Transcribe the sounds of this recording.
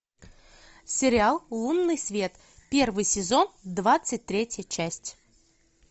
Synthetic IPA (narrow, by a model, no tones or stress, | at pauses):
sʲɪɾʲɪalˠlˠunːɨjsʲvʲe̞t̪ | pʲe̞rvɨjsʲɪzo̞nd̪vat̪sɨt̚ʲt̪ɾʲetʲjət͡ɕæsʲtʲ